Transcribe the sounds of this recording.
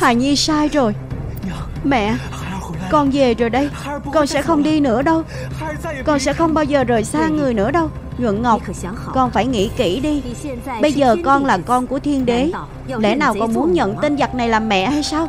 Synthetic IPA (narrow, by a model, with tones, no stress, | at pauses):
taː˨˩jɲi˧saː˧jzo˨˩j | mɛ̰˧˨ | kɔ˨˧nve˨˩zo˨˩jɗə˧j | kɔ˧nsɛ̰˧˥xə˧wŋ͡mɗi˧nɨ̰˧˥əɗə˧w | kɔ˧nsɛ̰˧˥xə˧wŋ͡mɓaː˧wzəː˨˩zo˨˩jsaː˧ŋɨ˨˩əjnɨ̰˧˥əɗə˧w | ɲwḭ˧˨ənŋə˨˩wk͡p̚ | kɔ˧nfaː˧˩jŋḭ˧˥kḭ˧˥ɗi˧ɓə˧jzəː˨˩kɔ˧nlaː˨˩kɔ˧nku˧˩ət̪ʰi˧ənɗe˨˦ | lɛ̰˧˥naː˨˩wkɔ˨˩nmu˨˦ənɲə̰˧˨nt̪i˧nza˨˩t̚na˨˩jlaː˨˩mːɛ̰˧˨haː˧jsaː˧w